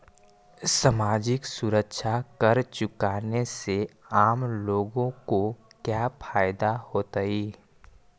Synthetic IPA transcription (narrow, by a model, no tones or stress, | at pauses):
səmaːd͡ʒɪksʊɾəkʃʰakɐɾt͡ʃʊkaːneseaːmloːɡõkokjaːpʰaːjd̪ahoːt̪aiː